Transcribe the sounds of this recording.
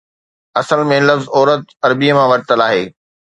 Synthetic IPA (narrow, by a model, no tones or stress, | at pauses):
ɐsəlmẽlɐfzɔːɾət̪ɐɾbiəmãʋɐɽɪt̪əlaːɦeː